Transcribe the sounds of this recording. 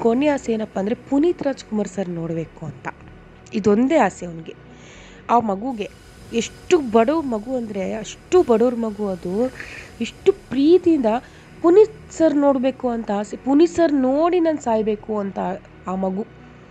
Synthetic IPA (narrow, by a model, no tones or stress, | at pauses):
konːeaːsɛeːnɐpːɐːnd̪ɾe̞puniːt̪ɾaːd͡ʒkumaːɾsɐɾno̞ːɽbe̞ːkuɐnt̪ɐ | id̪ond̪e̞ːaːseɐniɡe | aːmɐɡuɡe̞ | eʂʈːubɐɽoːɾmɐɡuɐnd̪ɐɾe̞ɐʂʈubɐɽoːɾmɐɡuɐd̪ueʂʈupɾiːt̪iind̪ɐ | punit̪sɐɾno̞ːɽbe̞ːkuɐnt̪ɐaːsepunisɐɾnoːɽinaːnsaːjbe̞ːkuɐnt̪ɐ | aːmɐɡu